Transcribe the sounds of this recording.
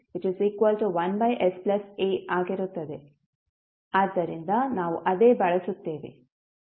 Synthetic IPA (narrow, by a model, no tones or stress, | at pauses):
ʋɪt͡ʃiziːkʋɐlʈuʋɐnbɐjʔesplɐseːʔaːɡiɾut̪ːɐd̪e | aːd̪ːɐɾind̪ɐnaːʋuʔɐd̪eːbɐɭɐsut̪ːeːʋḛ